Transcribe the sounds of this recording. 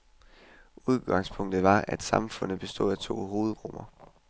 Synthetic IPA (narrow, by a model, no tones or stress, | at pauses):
uð̞ˠɡ̥ɑ̈ŋspʰɔ̽ŋ̰d̥ð̩ˠʋɑ̈æd̥sɑ̈mfɔ̽n̰ð̩ˠb̥e̝sd̥o̝̰ð̰ˠæt͡sʰo̝̰ːɦo̝ːð̞̩ˠʁɔm̰ɐ